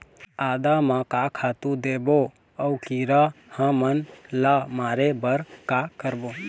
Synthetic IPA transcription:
aːd̪amãkaːkʰaːt̪ũd̪eːbo | əukiɾahãmənlamaːɾebəɾkaːkəɾboː

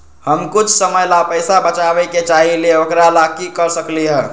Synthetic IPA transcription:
həmkut͡ʃʰsəməjlapəjsabət͡ʃabɛket͡ʃaɦileokɾalakikəɾsəkliɦɛ

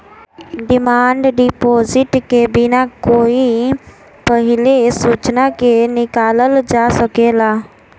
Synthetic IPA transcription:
ɖɪmaːɳɖɖipoːzɪʈkebinakoːi | pəɦɪlesuːt͡ʃnakenɪkaːləld͡ʒaːsəkeːlaː

